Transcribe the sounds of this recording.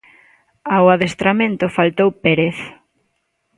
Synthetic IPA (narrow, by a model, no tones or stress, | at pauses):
awaðest̪ɾamẽnt̪ʊfalt̪owpeɾeθ